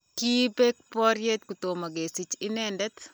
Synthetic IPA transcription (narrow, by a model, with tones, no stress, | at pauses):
ki˦be˦k̚pɔ˦ɾje˦t̪̚ku˨t̪o˨ma˨ɡe˨si˨t͡ʃɪ˦nɛndɛ˦t̪